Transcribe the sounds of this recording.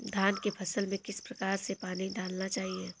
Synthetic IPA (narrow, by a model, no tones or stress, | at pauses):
d̪ʱaːnkepʰɐsəlmẽkɪspɾɐkaːɾsepaːniɖaːlnat͡ʃaːɦie